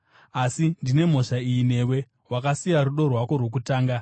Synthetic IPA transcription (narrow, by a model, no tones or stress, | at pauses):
asindine̞m̤o̞ʂaijːne̞ːwe̞ | wakasijaɾuɗo̞rwako̞rwo̞k̬utaːŋɡa